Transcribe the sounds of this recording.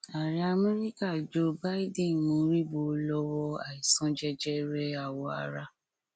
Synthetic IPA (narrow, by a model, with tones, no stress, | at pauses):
a˨ɾi˧˦a˧mɛ˦ɾi˦ka˦˨d͡ʒo˦ba˦i˦dĩ˦˨mõ˨˦ɾi˦bo˧˦lɔ˦wɔ˦a̰˨i˨sã˧˦d͡ʒɛ˦d͡ʒɛ˦ɾɛ˦a˨wɔ˧a̰˨ɾa˧˦